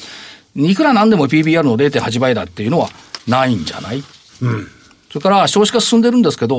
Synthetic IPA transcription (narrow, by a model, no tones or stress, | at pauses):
ikɯ̟ɾanãnd̪e̞mo̞pʲiːbʲiːaɾɯ̟no̞d̪e̞t̪̬ehaʑibaid̪at̪ːe̞jɯ̟no̞βanaĩɲ̟d͡ʑa̰na̰i | so̞ekaɾaɕo̞ːɕi̥kasɨ̥sɨ̃nd̪e̞ɾɯ̟̃nd̪e̞sɨ̥ke̞d̪o̞